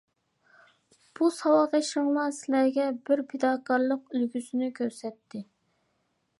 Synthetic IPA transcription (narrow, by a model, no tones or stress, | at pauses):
b̥usɑwɑʁeʃəŋlˠɑsɪlæɾɡʲɛbɪɾpʰed̪ɑːkʰɑɾlˠəqylɡʲysɪnɪkʲʰøɾsɛt̪ːɪ